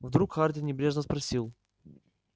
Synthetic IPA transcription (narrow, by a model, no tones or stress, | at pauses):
vd̪ɾukxardʲɪnʲɪbɾʲeʐnəspɾɐsʲilˠ